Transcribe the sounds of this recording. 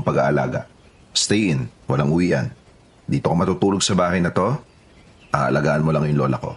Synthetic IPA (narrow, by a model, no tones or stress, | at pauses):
ŋpɐɡa̰ʔɐla̰ːɡɐ̰ | st̪ɛʔɪnwɐlaŋʔʊwiːʔɐ̰n | d̪iːt̪okomɐt̪uːt̪uːlo̞ɡ̚sɐbaːhɐjnɐt̪o̞ | ʔaːʔɐlɐɡaːʔɐnmolɐŋjʊŋlo̞ːlɐko̞̰